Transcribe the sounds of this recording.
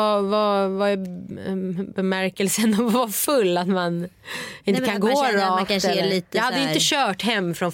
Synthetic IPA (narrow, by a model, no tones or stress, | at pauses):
avavaɛ | bɛmæɾkəlsənɔvafɵlːat̪man | ɪnəkʰanɡoːɾɑːkaɛliːt̪jɑhad̪ːəʏɪnəəɕœːʈɦɛmːfɾɔn